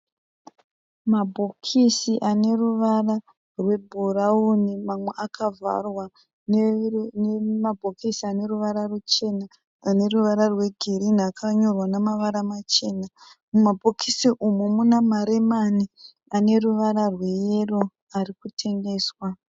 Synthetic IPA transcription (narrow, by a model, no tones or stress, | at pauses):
mabʱokʰisiʔane̞ruʋara | rwe̞bʱuraunimamwe̞ʔakʰava̰rwa | nnemabʱokisiane̞ruʋaɾarut͡ʃe̞naː | ne̞ruʋaɾarwe̞ɡʱeɾinakʰaɲorwanamaʋaɾamat͡ʃe̞ːnamumabʱokʰisiʔumumunamaɾemani | ane̞ruʋaɾarwe̞jero | arikutʰe̞ŋɡe̞ːswa